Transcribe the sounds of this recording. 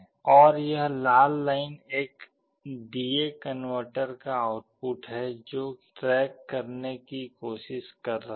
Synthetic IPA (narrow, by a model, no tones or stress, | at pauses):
ɔːɾjɐɦlaːlːaːɪneːk | ɖiːekənʋəɾʈəɾkaaʊʈ̚pʊʈɦɛd͡ʒoːʈɾɛːkːɐɾnekikoːʃɪʃkɐɾːɐ